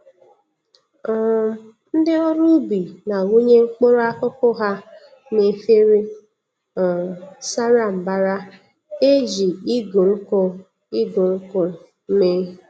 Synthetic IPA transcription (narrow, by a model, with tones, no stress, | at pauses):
n̩˦dɪ˦o˦ɾu˦bi˨na˨ŋu˦ɲe˦ŋ͡m̩˦k͡po˦ɾo˦a˦kʊ˦kʊ˦ɦa˦ | ne˨fe˦ɾe˦˨ | sa˦ɾa˨m̩˨ba˦ɾa˦ | e˦ʒi˨i˦ɡo˨ŋ̩˦kʊ˦ | i˦ɡo˨ŋ̩˦kɔ˦ | me˦